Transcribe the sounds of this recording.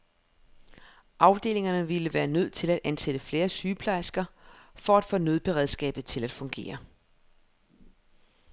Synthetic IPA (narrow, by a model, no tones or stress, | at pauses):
ʔɑ̈ʊd̥e̝̰ːle̝ŋɐnəʋiləʋæːɐnøð̞̰ˠt͡sʰe̝læd̥ʔænsed̥əfle̝ːɐsyːpʰlɑ̈ɪsɡ̥ɐfɒ̽æd̥fɔːnøð̞ˠb̥e̝ʁɛðˠsɡ̥ɛ̰ːb̥ð̩ˠt͡sʰe̝læd̥fɔ̽ŋɡ̥e̝̰ːɐ